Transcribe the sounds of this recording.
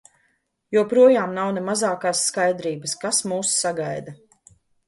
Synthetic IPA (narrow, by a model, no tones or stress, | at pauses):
juɔpɾuɔjaːmnawnemazaːkaːsːkajd̪ɾiːbaskasmuːsːaɡajd̪a